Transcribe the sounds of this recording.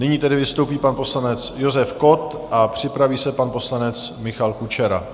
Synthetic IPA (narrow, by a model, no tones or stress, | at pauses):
nɪɲiːt̪ɛdɪvɪst̪owpiːpanpo̞slanɛt͡sjo̞zɛfko̞t̪ʔapr̝̥ɪpɾaviːsɛpanpo̞slanɛt͡smɪxalkut͡ʃɛɾa̰